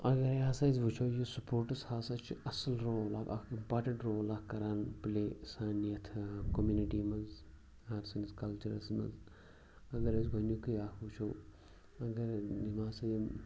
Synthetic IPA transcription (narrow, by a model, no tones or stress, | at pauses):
ɐɡɐɾjaːsazʋut͡ʃʰoːjisupoːɾʈɨshaːsɐt͡ʃʰiʔɐslɾoːlaːkɐ̰kʰimpaːɾʈəɳʈɾoːlakkɐɾanpleːsaːniɐt̪ʰkomjuːniʈiːmɐz | ɐɾsɐniskɐlt͡ʃɐɾɐsmɐ̰z | ɐɡɐɾɐsɡʱɐnukijaːkʰʋut͡ʃʰoː | ɐɡɐɾimaːsɐji